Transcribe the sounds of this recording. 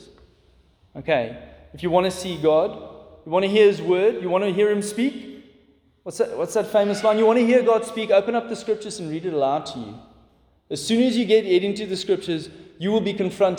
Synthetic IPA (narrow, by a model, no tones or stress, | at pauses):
oʊkʰeɪ | ɪfjɨwɑ̃ntɨsiɡɔdjəwɑ̃ntɨɦiəɪzwɜːdjəwɑ̃nɨɦiəɹɨ̃mspik | wʌtsðwʌtsðætfẽɪ̃məsmãɪ̃njəwɑ̃nɨɦiəɡɔd̥spikoʊpə̃nʌp̚ðəskɹ̥ɪp̚t͡ʃəzə̃nɹiːɾɨɾəlaʊd̚tʰəjʉ̰ | əz̥sʉ̃ːnɨzjɨɡɛɾɛɾɪ̃ntʉðəskɹɪp̚t͡ʃəzjɨwəlˠbikə̃nfɹʌ̃nt